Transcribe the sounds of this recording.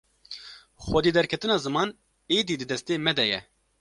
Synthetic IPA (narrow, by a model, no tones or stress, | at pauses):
xwɛd̪iːd̪ɛɾkʰɛt̪ɨnɑːzɨmɑːn | eːd̪iːd̪ɨd̪ɛst̪eːmɛd̪ɛjɛ̰